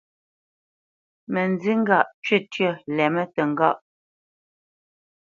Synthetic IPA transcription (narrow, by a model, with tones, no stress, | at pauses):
mə˨nd͡zi˦ŋ˦ɡa˦˨ʔt͡ʃɥe˦˨tɥə˦˨lɛ˨mə˦tə˨ŋ˨ɡa˦˨ʔ